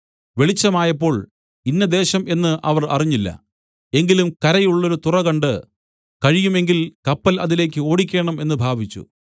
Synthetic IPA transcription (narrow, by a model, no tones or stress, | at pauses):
ʋe̞ɭit͡ɕːɐmaːjɐpːo̞ːɭ | inːɐd̪e̞ːɕɐme̞nːɨʔɐʋɐrɐ̰riɲːilːɐ̰ | e̞ŋɡilumkɐɾɐjuɭːo̞ɾut̪urɐɣɐɳɖɨ | kɐɻijume̞ŋɡilkɐpːɐlɐðile̞ːk̬ʲːɨo̞ːɽikʲːe̞ːɳɐme̞nːɨbʱaːbʱit͡ɕːṵ